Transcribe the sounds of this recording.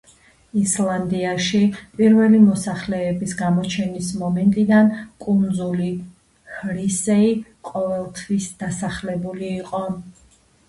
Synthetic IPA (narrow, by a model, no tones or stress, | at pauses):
islˠand̪iaʃipʼiɾvɛlimɔsaχlɛːbisɡamɔt͡ʃʰɛnismɔmɛnt̪ʼid̪ankʼund̪zuli | hɾisɛi | qʼɔvɛlˠt̪ʰwisd̪̥asaχlɛbuliːqʼɔ